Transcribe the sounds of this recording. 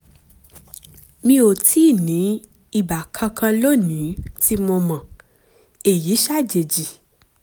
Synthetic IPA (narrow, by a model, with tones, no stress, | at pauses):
mĩ˧o˨tʰi˨˦˨nĩ˨˦ | i˦˨ba˨kʰã˧kʰã˧lo˦˨nĩ˨˦ti˦mo˧mã˨ | e˨ji˨˦ʃa˦˨d͡ʒe˨d͡ʒi˨